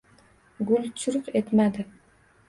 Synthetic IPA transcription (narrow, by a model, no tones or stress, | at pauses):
ɡulʲt͡ʃʰuɾuqet̪mad̪ɪ